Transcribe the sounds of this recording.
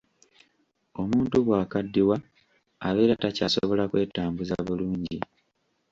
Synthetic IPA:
o̞muːntuβwaːkadːiwa | a̰βeːɾatacasoβo̞lakwe̞ːtaːmbuzaβuluːɲɟi

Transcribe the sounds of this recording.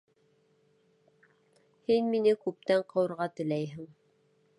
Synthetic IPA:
hinminɘkʉp̚t̪æɴqɤ̆wɤ̆ɾʁɑt̪ɘ̆læjɦɘŋ

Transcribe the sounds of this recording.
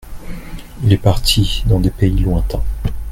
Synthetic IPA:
ilɛpaʁt̪ʰid̪ɑ̃d̪epeilwɛ̃t̪ɛ̃

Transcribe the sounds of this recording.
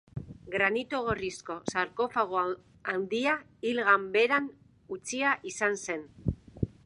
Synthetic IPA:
ɡɾanit̪uɣ̞o̞risko̞saɾko̞faɣ̞o | awnd̪ia | ilɣambe̞ɾan | ut͡siaʔisanse̞n

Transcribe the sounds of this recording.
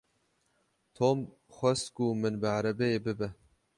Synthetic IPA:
t̪ʰom | xʷɛst̪kumɨnbɨʕaɾɛbɛebɨbɛ

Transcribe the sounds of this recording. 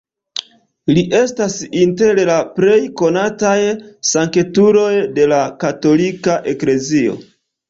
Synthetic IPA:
liʔe̞stasinte̞ɾlapɾe̞jko̞natajsaŋke̞tuɾo̞jde̞lakato̞likaʔe̞kle̞zio̞̰

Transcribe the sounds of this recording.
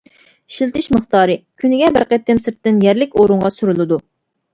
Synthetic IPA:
ʃilt̪ʰɪʃməχt̪ɑːɾɨkʲʰynɪɡʲɛbɨɾqɛt̪ʰːɪmsɪɾt̪ːɪnjɛɾlɪkʲoɾʊɴʁɑsyɾɨlˠɨd̪u

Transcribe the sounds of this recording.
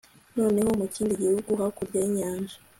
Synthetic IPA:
no̞ːne̞ho̞muciːndiɟihuɡuɦakuɾɟaiɲaːnʒa

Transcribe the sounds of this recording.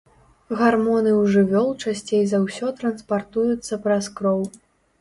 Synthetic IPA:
ɣarmɔnɨwʐɨvʲɔlˠt͡ʂasʲt͡sʲejzawsʲɔt̪ɾɐnspart̪ujut̪sːɐpɾɐskɾɔw

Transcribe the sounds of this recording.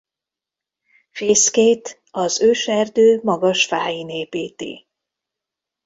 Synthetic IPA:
feːskeːt̪ | ɒzøːʃɛrd̪øːmɒɡɒʃfaːjineːpeːt̪ḛː

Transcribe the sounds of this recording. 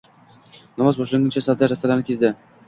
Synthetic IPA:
nɒmazboʃlɪŋɡɪnt͡ʃʰasavd̪aɾast̪alaɾnɪkʲʰezd̪ɪ

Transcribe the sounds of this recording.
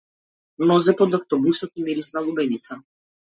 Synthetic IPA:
nɔzɛpɔd̪aft̪ɔbusɔt̪imiɾisnalˠubɛnit̪sa

